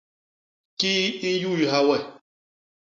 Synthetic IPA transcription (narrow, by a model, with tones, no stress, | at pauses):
ki˦n̩˦ju˦˨i˨ɦa˦wɛ˦˨